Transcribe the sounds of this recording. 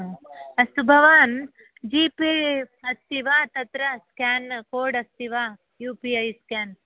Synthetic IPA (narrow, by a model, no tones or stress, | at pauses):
ɐst̪ubʱɐʋaːn | d͡ʒiːpiɐst̪iʋaːt̪ɐt̪ɾɐskaːnkoːɖɐst̪iʋaː | juːpiɐjskʲaːn